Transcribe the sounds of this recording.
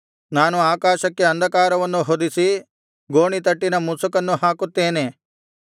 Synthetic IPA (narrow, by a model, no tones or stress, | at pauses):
naːnuaːkaːʃɐkːeɐnd̪ʱɐkaːɾɐʋɐnːuɦod̪isi | ɡoːɳit̪ɐʈːinɐmusukɐnːuɦaːkut̪ːe̞ːne